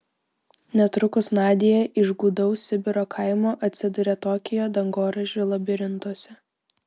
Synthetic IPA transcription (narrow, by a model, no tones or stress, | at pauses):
nʲɛt̪ɾʊkʊsnɑːd̪ʲejɛʔɪʒɡuːd̪ɐʊsʲɪbʲɪɾoːkʰɐɪmoːʔɐt̪ʲsʲɪd̪ʊɾʲɛt̪oːkʲɪjoːd̪ɐŋɡoːɾɐʒʲʊːlˠɐbʲɪɾʲɪnt̪uɔsʲɛ